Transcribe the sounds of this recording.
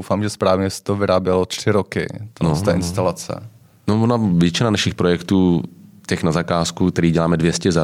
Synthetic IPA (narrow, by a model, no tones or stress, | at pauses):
wfaːmʒɛspɾaːvɲɛsɛ̥t̪ovɪɾaːbjɛlot̪r̥ɪɾokɪ̰t̪onost̪ɛːʔɪnst̪alat͡sɛ̰ | novonavjɛt͡ʃɪnanaʃɪxpɾojɛkt̪uːcɛxnazakaːskukt̪ɛɾiːɟɛlaːmɛdvjɛscɛza